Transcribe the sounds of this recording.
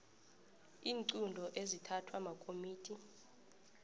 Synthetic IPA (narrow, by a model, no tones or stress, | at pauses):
iːŋǀundʱɔʔezitʰatʰwamakʼomiːtʰʼi